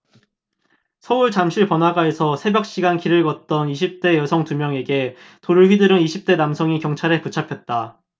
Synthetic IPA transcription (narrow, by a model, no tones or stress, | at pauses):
sʰʌuɭt͡ɕamɕʰiɭpʌnɦaɡaesʰʌsʰe̞bjʌk̚ɕ͈iɡankiɾɯɭɡʌt̚t͈ʌniɕʰip̚t͈e̞jʌsʰʌŋtumjʌŋe̞ɡe̞ | toɾɯɭɥidɯɾɯniɕʰip̚t͈e̞namsʰʌŋikjʌŋt͡ɕʰaɾe̞put͡ɕʰapʰjʌt̚t͈a